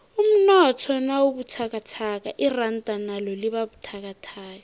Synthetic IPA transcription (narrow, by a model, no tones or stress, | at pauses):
um̩nɔtʰɔnawubutʰakatʰakʼaʔɪran̩tʼanalɔlɪbabutʰak̬atʰaːka